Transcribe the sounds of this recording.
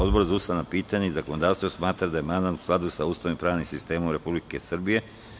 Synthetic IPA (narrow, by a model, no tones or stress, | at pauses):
o̞d̪bo̞ɾzausanapiːt̪aɲeizakono̞d̪aːʋst̪vosmaːt̪ɾad̪aje̞mand̪at̪u̥sklˠad̪usauːst̪aʋimpɾaːʋnimsist̪e̞ːmomɾe̞publike̞sr̩bije̞